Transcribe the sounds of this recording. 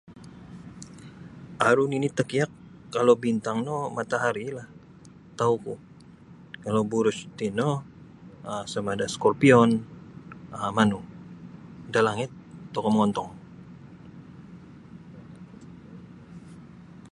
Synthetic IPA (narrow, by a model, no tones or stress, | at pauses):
ʔaɾuninit̪əkiakː | alobint̪aŋnɔmat̪aɦaɾilah | t̪auku | kalobuɾʊst̪inɔ | əsamadaskɔrpiɔn | aamanu | dalaŋɪt̪ːɔkɔməŋɔnt̪ɔŋ